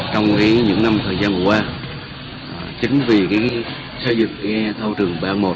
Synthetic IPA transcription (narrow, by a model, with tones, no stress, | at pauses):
t͡ɕɔ˧wŋ͡mkaː˨˦jɲɨ̰˧˥ŋna˧mt̪ʰəː˨˩jzaː˧nkkwaː˧˩ | t͡ɕï˨˦ŋ̟vi˨˩kaː˨˦ | sə˧jzɨ̰˧˨ŋka˨˦t̪ʰə˧wt͡ɕɨ˨˩əŋɓaː˧˩ŋmo˨˩t